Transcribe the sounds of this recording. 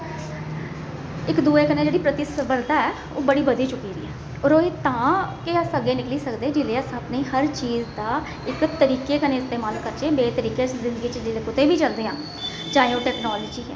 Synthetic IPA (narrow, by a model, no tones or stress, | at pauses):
ɪkd̪uːeːkəneːd͡ʒeːɽiːpɾət̪ɪsəbəɾd̪aːɛː | o̰ːbəɽiːbəd̪iːt͡ʃʊkiːɾḭːɛː | ɔːɾoːiːt̪ãːkɪəsəɡeːnɪkliːsəkd̪eːd͡ʒɪleːəsəpniːɦəɾt͡ʃiːzd̪aː | ɪkt̪əɾiːkeːkənẽːɪst̪eːmaːlkəɾt͡ʃeːbeːt̪əɾiːkeːt͡ʃzɪ̃nd̪əɡiːt͡ʃd͡ʒɪleːkʊt̪eːbiːt͡ʃəld̪eːãː | d͡ʒãːĩõːʈɛːknɔːləd͡ʒiːɦɛ̰ː